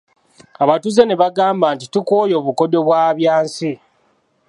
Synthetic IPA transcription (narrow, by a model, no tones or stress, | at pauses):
aβatuze̞neβaɡaːmbaːntitukoːjo̞ːβuko̞do̞βwaːβjaːnsi